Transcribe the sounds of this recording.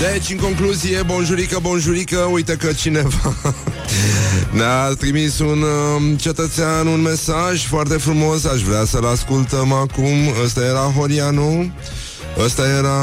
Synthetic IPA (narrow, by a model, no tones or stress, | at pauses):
d̪e̞t͡ʃʲɨŋko̞ŋkluzije̞bo̞nʒuɾikəbo̞nʒuɾikəujt̪əkət͡ʃine̞va | neat̪ɾimisunt͡ʃe̞t̪ət̪seanunme̞saʒʲfoart̪e̞fɾumo̞saʃvɾeasəlaskult̪əmakuməst̪aje̞ɾaɦo̞ɾianu | əst̪aje̞ɾa